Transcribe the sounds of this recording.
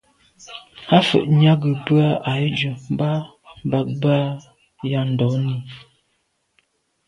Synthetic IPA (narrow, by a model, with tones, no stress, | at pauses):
ha˦fə̰˨ʔɲa˦ɡə˨bʉ˦a˦a˨˦d͡ʒə˨m˦ba˦ | m˦ba˨k̚ba˦ | ja˦˨n̩˨dɔ˨˦ni˨